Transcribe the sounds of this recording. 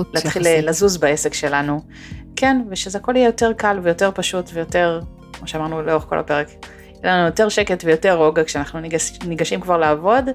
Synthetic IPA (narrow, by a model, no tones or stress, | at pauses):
laːt̪χillazuzbaesekʃe̞lanu | kenveʃezeako̞lijejo̞te̞ʁkalvejo̞te̞ʁpaʃutvejo̞te̞ʁ | kmoʃeamaʁnuleo̞χko̞la̰pe̞ʁek | jelanujo̞te̞ʁʃeketvejo̞te̞ʁo̞ɡakʃeanaχnunniɡaʃimkvaʁlaːvo̞d